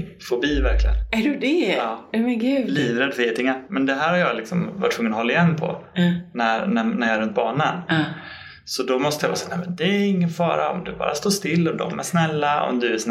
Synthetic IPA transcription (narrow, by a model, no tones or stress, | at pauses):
fɔbiːvæɾklɪɡə̰næɖɵd̪ɛɑːmɛnɡʉːliːvɾɛd̪ːfœeːt̪ɪŋːaɾmɛnd̪ɛɦæːɾhaɾjɑːlɪksɔmva̰ʈʰːvɵŋːənɔhɔlːaɪjɛnːpʰɔ̰næɾnænæɾjɑːɛɾɵnt̪̚bɑːɳən | sɔd̪ɔmɔst̪əjɑvɑ̰ːsɛːnɛmɛnd̪ɛɪŋːənfɑ̰ːɾa̰ɔ̰md̪ɵbɑ̰ːɾast̪oːʂt̪ɪlːɔd̪ɔ̰mæ̰ʂnɛlːaɔ̰md̪ɵɛsn